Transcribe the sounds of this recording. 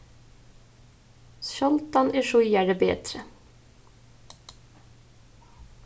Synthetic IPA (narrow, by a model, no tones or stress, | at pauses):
ʃɔlt̪ɑnʔeːʃʊjæɖəbḛːd̪ɾə